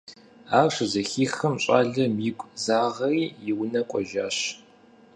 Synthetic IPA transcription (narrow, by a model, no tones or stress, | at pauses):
aːrɕɨzɐxiːxɐmɕʼa̰ːɮɐmiːɡʷʼzaːʁɐijɪwnɐkʷʼɔʒaːɕ